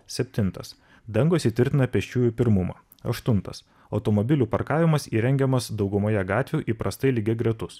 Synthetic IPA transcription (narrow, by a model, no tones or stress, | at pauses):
sʲɛpʲt̪ʲɪnˑt̪ɐ̰s | d̪ɐŋɡoːsʲɪt̪ʲʋʲɪɾʲt̪ʲɪnɐpʲɛʃʲt͡ʃʲuːjupʲɪɾmʊmɑ̰ː | ɐ̰ʃt̪ʊnt̪ɐ̰s | ɒʊt̪ɔmɔbʲɪlʲuːpɐɾkɑːʋʲɪmɐsiːɾʲɛŋʲɡʲɛmɐsd̪ɒʊɡʊmɐːjɛɡɑːt̪ʲʋʲuːʔiːpɾɐst̪ɐɪlʲiɡʲɛɡɾʲɛt̪ʊs